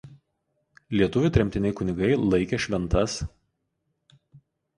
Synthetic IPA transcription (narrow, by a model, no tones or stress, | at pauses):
lʲiɛt̪ʊʋʲʊt̪ʲɾʲɛmʲt̪ʲɪnʲɛɪkʊnʲɪɡɐɪlˠɐɪkʲɛʃʲʋʲɛnt̪ɐs